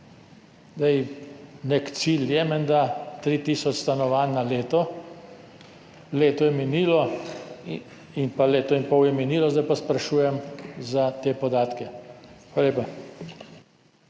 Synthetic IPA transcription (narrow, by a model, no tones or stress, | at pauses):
zd̪ɛjnɛkt̪siljɛmɛnd̪at̪ɾit̪iːsɔt͡ʃst̪anɔʋaːnːaleːt̪ɔ | leːt̪ɔjɛminiːlɔ | inpaleːt̪ɔinpɔwjɛminiːlɔzd̪ajpɔspɾaʃuːjɛmzat̪eːpɔd̪aːt̪kɛxʋaːlaleːpa